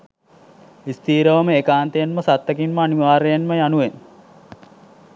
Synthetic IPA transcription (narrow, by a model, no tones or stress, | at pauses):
ist̪iːɾəʋəməekaːnt̪ejenməsat̪ːəkinməaniʋaːɾejenməjanuʋen